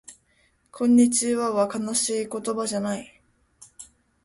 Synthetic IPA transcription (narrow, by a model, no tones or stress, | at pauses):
kʰõ̞ɲ̟ːit͡ɕiβaβakanaɕiːko̞t̪o̞baʑanai